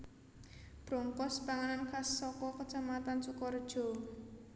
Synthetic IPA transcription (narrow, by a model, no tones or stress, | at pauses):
b̥ɾɔŋkɔspaŋanankasːɔkɔkət͡ʃamat̪ansukɔrd̥ʒ̥ɔ̤